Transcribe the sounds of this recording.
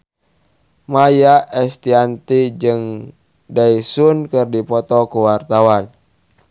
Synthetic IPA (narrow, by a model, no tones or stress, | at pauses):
majaʔɛst̪iant̪id͡ʒɨŋ | daisunkɨrdipɔt̪ɔkuwart̪awan